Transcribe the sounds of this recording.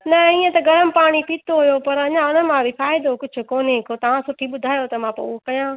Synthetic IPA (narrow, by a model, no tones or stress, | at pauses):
nɐĩːə̃t̪ɐɡʱɐɾəmɪ̆paːɽ̃ipiːt̪oɦʊjopɐɾɐɲãʊnəmãbifaːɪd̪okʊd͡ʑʱʊ̆koːnekʰot̪ɐʋ̤ãsʊʈʰiɓʊd̪ʱaːjot̪ɐmãpo̰ʊokɐjã